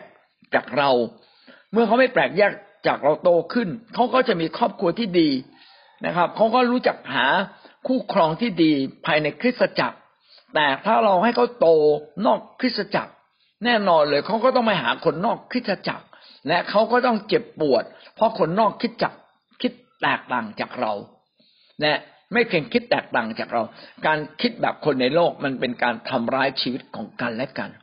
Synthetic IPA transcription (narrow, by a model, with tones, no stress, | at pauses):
k̚ | t͡ɕa̰ː˨˩k̚ɾa˧w | mɯ˥˩əkʰa˦wma˥˩jpɾɛː˨˩k̚jɛː˥˩k̚ | t͡ɕaː˨˩k̚ɾa˧wt̪oː˧kʰɯ˥˩nkʰa˦˥wkɔː˥˩t͡ɕa˨˩ʔmiː˧kʰɔː˥˩p̚kʰu˧ɐt̪ʰiː˥˩diː˧ | na̰˦˥kʰa˦˥p̚kʰa˦˥wkɔː˥˩ɾuː˦˥t͡ɕa˨˩k̚haː˩˦ | kʰuː˥˩kʰɾɔː˧ŋt̪ʰiː˥˩diː˧pʰaː˧jna˧jkʰɾi˦˥t̪̚sa˧t͡ɕa̰˨˩k̚ | t̪ɛː˨˩t̪ʰaː˥˩ɾa˧wha˥˩jkʰa˦˥wt̪oː˧nɔː˥˩kʰːɾi˦˥t̪̚sa˧t͡ɕa̰˨˩k̚ | nɛː˥˩nɔː˧nlɤː˧jkʰa˦˥wkɔː˥˩t̪ɔ˥˩ŋma˥˩jɦa̰ː˩˦kʰo˧nːɔː˥˩kʰɾi˦˥t̪̚sa˧t͡ɕa̰˨˩k̚ | lɛ˦˥kʰa˦˥wkɔː˥˩t̪ɔ˥˩ŋt͡ɕe˨˩pːu˨˩ət̪̚pʰɔ˦˥kʰo˧nːɔː˥˩kʰːi˦˥t̪̚t͡ɕa̰˨˩k̚ | kʰːi˦˥t̪̚ːɛː˨˩k̚t̪aː˨˩ŋt͡ɕaː˨˩k̚ɾa˧w | lɛ˦˥ʔ | ma˥˩jpʰi˧ənkʰi˦˥t̪ːɛː˨˩k̚t̪aː˨˩ŋt͡ɕa̰ː˨˩k̚ɾa˧wkaː˧nkʰi˦˥t̪̚bɛː˨˩p̚kʰo˧nːa˧jloː˥˩k̚ma˧npe˧nkaː˧nt̪ʰa˧mɾaː˦˥jt͡ɕʰiː˧wi˦˥t̪̚kʰɔ̰ː˩˦ŋka˧nlɛ˦˥ka̰˧n